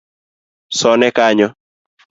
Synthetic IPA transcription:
sɔnɛkaɲɔ

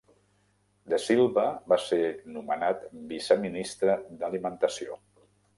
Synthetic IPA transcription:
d̪əsilˠβəβasenumənat̪bisəminist̪ɾəd̪əlimənt̪əsio

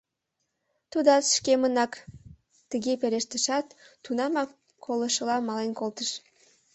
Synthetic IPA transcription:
t̪ud̪ɑt̪ʃkemənɑk | t̪əɣepeɾeʃt̪əʃɑt̪ːunɑmɑk | kʰːoləʃəlɑmɑlenkolt̪əʃ

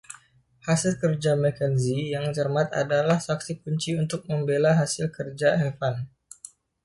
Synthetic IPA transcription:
hasɪlkərd͡ʒamɛkənzijaŋt͡ʃərmat̪a̰dalahsaksikuɲt͡ʃiunt̪ʊk̚məmbelaɦasɪlkərd͡ʒaɛfan

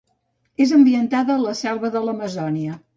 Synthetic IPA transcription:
ezəmbiənt̪aðəːləsɛlˠβəðələməzɔniə

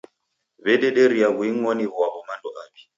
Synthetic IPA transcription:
βɛdɛdeɾiaβwiŋ̩ɔniβwaβɔmandɔʔaːbi̥

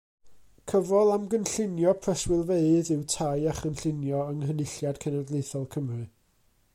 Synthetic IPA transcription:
kʰəvɔlˠamɡənɬɪnjɔpʰrəswɪlˠveɨðɪwtʰajaχənɬɪnjɔəŋhənɪɬjad̥kʰɛnadlˠejθɔlˠkʰəmrɨ

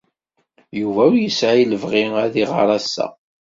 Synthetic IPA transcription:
juvæuɾjəsʕiləvʁɪæðiʁɑ̰ɾˤɑsːæ̰

